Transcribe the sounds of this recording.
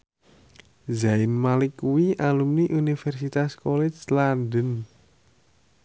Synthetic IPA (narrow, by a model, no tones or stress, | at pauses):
zaɪnmalɪkːuwiʔalumniʔunifɛrsit̪askolɛt͡ʃlandən